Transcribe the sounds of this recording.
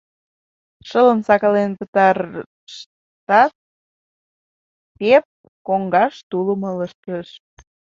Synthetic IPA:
ʃələnsɑkɑlenpət̪ɑr | ʃ | t̪ɑt̪̚ | pep̚ | koŋɡɑʃt̪uləmələʃkəʃ

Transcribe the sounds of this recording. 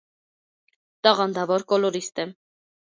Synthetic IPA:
t̪ɑʁɑnd̪ɑvɔɾkɔlɔɾist̪ɛ

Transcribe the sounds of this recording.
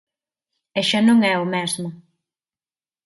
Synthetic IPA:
ɛʃanõŋɛʊmɛzmʊ

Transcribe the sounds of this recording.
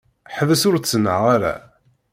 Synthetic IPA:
ħəvəsʊɾt͡sːənːə̰ʁaɾæ̰

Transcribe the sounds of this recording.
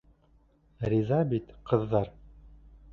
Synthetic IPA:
rizɑbit̪qɤ̆ðːɑɾ

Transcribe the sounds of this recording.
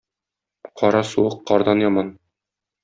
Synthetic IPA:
qʰɒɾɑsuɤqːɒɾd̪ɑnjɒmɑn

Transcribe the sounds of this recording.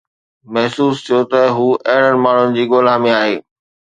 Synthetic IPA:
mɐɦsuːst̪ʰijot̪ɐɦuːʔɐɦɪɽ̤əɽ̃ɪ̆maːɳ̤ʊnɪ̆d͡ʑiːɠoːlãmẽaːɦeː

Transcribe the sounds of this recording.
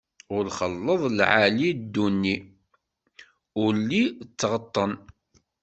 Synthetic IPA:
ʊɾχəlːəðˤlʕalid̪ːunːi | ʊɾlit͡sːʁət̪ˤːən

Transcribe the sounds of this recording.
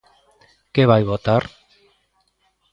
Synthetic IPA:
keβajβot̪ar

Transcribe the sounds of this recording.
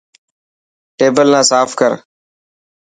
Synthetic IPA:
ʈeːbəlnãːsaːfkəɾ

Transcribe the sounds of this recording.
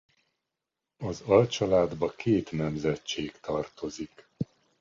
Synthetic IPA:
ɒzɒlt͡ʃɒlaːd̪bɒkʰeːt̪nɛmzɛt͡ʃeːkt̪ɒrt̪o̞zik

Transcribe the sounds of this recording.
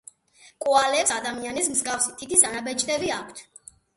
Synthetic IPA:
kʼualɛpsad̪amianismzɡafsit̪ʰit̪ʰisanabɛt͡ʃʼd̪ʼɛbiakʷʰt̪ʰ

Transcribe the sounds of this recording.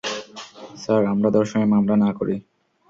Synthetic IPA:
saɾamɾad̪ɔɾʃɔŋemamlanakoɾi

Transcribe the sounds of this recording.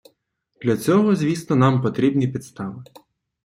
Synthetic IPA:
d̪̥lʲɐt͡sʲɔɦɔzʲʋʲist̪ɔnɑmpɔt̪ɾʲibnʲipʲit̪st̪ɑʋɪ

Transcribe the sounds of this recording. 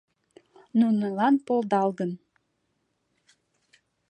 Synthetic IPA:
nunəlɑnpolˠd̪ɑlɣən

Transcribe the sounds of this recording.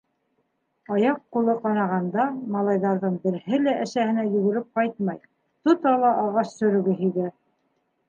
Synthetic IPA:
ɑjɑqːulˠɤqɑnɑʁɑnd̪ɑmɑlˠɑjðɑɾðɤɴbɘ̆ɾhɘlæʔæʃæhɘ̆næjɵ̆ɡɵ̆ɾɘp̚qɑjt̪̚mɑj | t̪ŏt̪ɑlˠɑʔɑʁɑʃsɵ̆ɾɵ̆ɡɘɦiɡɘ

